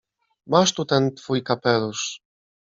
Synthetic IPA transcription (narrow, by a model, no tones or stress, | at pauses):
maʃt̪ut̪ɛnt̪fujkapɛlus